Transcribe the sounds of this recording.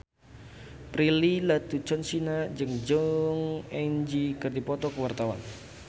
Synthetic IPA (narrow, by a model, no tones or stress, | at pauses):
pɾililat̪ut͡ʃɔnsinad͡ʒɨŋd͡ʒɔŋɛnd͡ʒikɨrdipɔt̪ɔkəwart̪awa̰n